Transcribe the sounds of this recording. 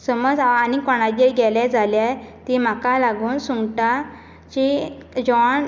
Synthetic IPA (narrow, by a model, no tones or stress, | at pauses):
səməd͡zːnikɔɳ̃ad͡ʑeɾɡɛljad͡zʱaljajt̪im̤akalaɡuːnsuŋɡʈa | t͡ɕid͡ʑɔɳ